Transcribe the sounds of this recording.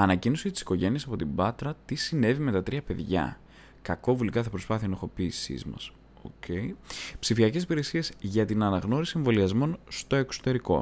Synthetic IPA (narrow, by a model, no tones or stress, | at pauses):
ɐnɐcino̞sit̪i̥si̥ko̞ʝe̞niesɐpo̞t̪ibɐt̪ɾɐt̪isine̞vime̞t̪ɐt̪ɾiɐpe̞ðʝɐ̰ | kɐko̞vulikɐθɐpɾo̞spɐθiɐnɐxo̞piːsḭzmɐ̰s | o̰cʰe̞jpsifiɐce̞sipiɾe̞siezʝɐt̪inɐnɐɣno̞ɾisie̞ɱvo̞liɐzmo̞nst̪o̞e̞kso̥t̪e̞ɾiko̞̰